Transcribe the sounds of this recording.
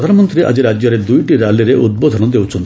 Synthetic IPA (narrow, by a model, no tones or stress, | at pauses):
id̪ʱanɔmɔnt̪ɾiʔa̰d͡ʒiɾad͡ʒjɔɾed̪ujʈiɾaliɾeʔud̪̚bod̪ʱɔnɔd̪ewt͡ʃʰɔnt̪